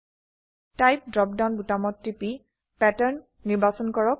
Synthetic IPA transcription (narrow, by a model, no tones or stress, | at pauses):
tajp̚dɹɔp̚dawnbutamɔtːipi | pɛtɛɹnː | iɹbasɔnkɔɹɔk̚